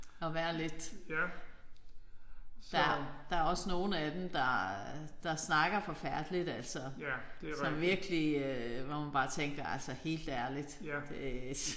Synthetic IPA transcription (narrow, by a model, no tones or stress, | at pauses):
ɒ̽ʋæːɐle̝d̥ | d̥ɑd̥ɑ̈æɐɒ̽sno̝ːn̩æd̥emd̥ɑ̈d̥ɑ̈snɑ̈ɡ̥ɐfɒ̽fæɐd̥lid̥æl̰sɒ̥̽sɒ̽mʋiɐɡ̥əliøʋɒmænb̥ɑ̈ːt͡sʰeŋɡ̥ɐælsɒhe̝̰ːld̥æɐlid̥d̥e